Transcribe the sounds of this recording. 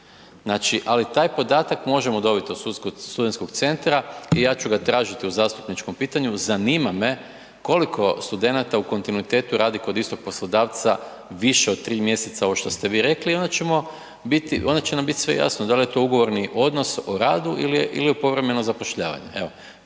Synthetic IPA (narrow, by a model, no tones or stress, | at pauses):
znaːt͡ʃiʔalit̪aːjpo̞d̪aːt̪akmo̞ʒemo̞d̪o̞bit̪iost̪uskost̪ud̪nko̞kt̪se̞nt̪ɾaijaːt͡ʃuɡat̪ɾaːʒit̪iuzaːst̪upnit͡ʃko̞mpiːt̪aɲuzaniːmame̞ | ko̞likʰo̞st̪ud̪e̞nat̪auko̞nt̪inuit̪e̞ːt̪uɾaːd̪iko̞d̪ist̪o̞ɡ̚po̞slˠod̪aːʋt̪sa | ʋiʃeo̞d̪̚t̪ɾiːmje̞set̪saoʋoʃt̪ost̪e̞ʋiːɾe̞kliond̪at͡ɕe̞mo̞ | bit̪iʔo̞nd̪at͡ɕenambit̪i̥sʋe̞̰ja̰snod̪alije̞t̪o̞uɡo̞ʋo̞ɾniʔo̞d̪no̞soɾaːd̪uʔiliʔḭliupo̞ʋɾe̞me̞nozapoʃʎaːʋa̰ɲḛe̞ʋo